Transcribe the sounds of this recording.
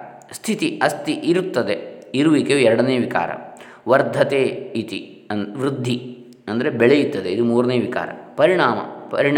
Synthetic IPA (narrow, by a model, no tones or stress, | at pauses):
st̪ʰit̪iɐst̪iʔiɾut̪ːɐd̪eiɾuʋikejuɛɾɐɽɐneːʋika̰ːɾɐ̰ | ʋɐɾd̪ʱɐt̪eːit̪i | ɐnʋɾɪd̪ʱːi | ɐnd̪ɐɾebɛɭejut̪ːɐd̪eid̪umuːɾɐneːʋika̰ːɾɐ̰pɐɾiɳaːmɐ̰pɐɾiɳ